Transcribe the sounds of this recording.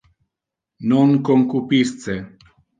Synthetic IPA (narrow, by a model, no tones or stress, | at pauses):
nɔŋkoŋkupist͡se